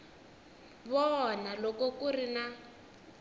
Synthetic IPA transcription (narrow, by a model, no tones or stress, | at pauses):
βɔnalɔkɔkurina